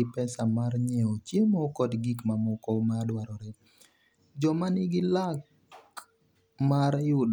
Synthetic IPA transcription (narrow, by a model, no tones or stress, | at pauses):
ɪpɛsamarɲeot͡ʃjemɔkɔdɡikmamɔkɔmadwaɾɔɾɛ | d͡ʒɔmanɪɡɪlak̚ | maɾjʊd